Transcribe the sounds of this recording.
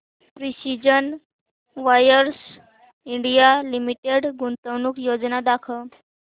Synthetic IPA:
pɾisid͡ʑən | ʋajəɾs | iɳɖijalimiʈeɽɡunt̪əʋnuːkjod͡znad̪akʰə

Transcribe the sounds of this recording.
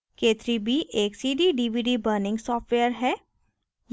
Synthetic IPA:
keːt̪ɾibʱiʔeːksiːɖiɖiːʋiːɖibəːɾnɪ̃ŋɡsɔːfʈweːəɾɦɛː | j

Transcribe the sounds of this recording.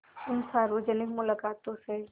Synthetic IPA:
ʊnsaːɾʋoːd͡ʒənɪkmʊlaːkaːt̪õse

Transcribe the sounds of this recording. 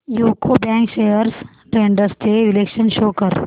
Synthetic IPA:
juːkobɛ̃ːŋkʃeːjəɾs | ʈɾẽːɳɖəɾsteɪlekʃənʃoːkəɾ

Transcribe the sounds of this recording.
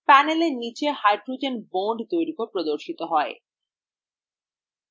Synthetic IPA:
pɛneleɾnit͡ɕehajɖɾud͡ʑenboɳɖt̪ojɾikopɾod̪oɾʃit̪oɦɔe

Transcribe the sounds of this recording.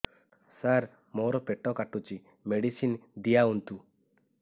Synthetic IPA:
saɾ | mɔɾɔpɛʈɔkaʈut͡ʃi | meɖisind̪ijaunt̪u

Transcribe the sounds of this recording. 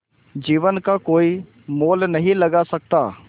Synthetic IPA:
d͡ʒiːʋənkakoːi | moːlnɐɦĩlɐɡasɐk̚t̪aː

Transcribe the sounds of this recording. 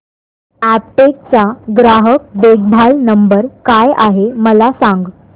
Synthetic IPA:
æp̚ʈek̚t͡saɡɾaɦək̚beɡ̚bʱalnəmbəɾkajaɦeməlasãŋɡ

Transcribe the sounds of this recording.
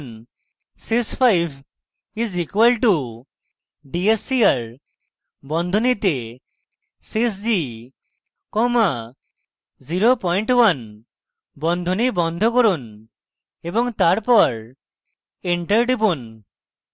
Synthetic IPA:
n | sikspʰajbʰʱ | izikwalʈu | ɖiesiaɾ | bɔnd̪ʱonit̪e | sisd͡ʒi | kɔma | ziɾopɔjɳʈwan | bɔnd̪ʱonibɔnd̪ʱɔkoɾun | ebɔŋt̪aɾpɔɾ | eɳʈaɾɖibun

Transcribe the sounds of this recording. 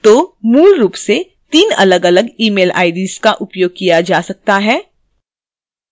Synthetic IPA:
t̪oːmuːlɾuːpse | t̪iːnɐ̰ləɡələɡiːmeːlʔa̰ːɪɖiːskaʔʊpjoːɡ̚kijad͡ʒaːsɐk̚t̪aɦɛː

